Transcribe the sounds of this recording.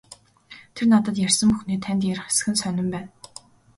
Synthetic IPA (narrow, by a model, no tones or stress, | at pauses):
t̪ʰernat̪ə̆t̪jærsə̆mpuxniːt̪ʰænt̪jæɾ̆χe̥sɘ̥̆xɘ̆nsœnʲɪ̆mpæːn